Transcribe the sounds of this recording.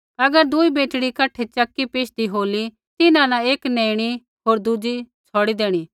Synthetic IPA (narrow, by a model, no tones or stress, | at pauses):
ɐɡəɾd̪ʊibeːʈɽikɐʈʰːet͡ʃɐkːipeːʃd̪iɦoːli | t̪ɪnãnãeːkneːɽ̃i | ɦoːɾd̪ʊd͡ʒi | t͡sʰɔːɽid̪eːɽ̃i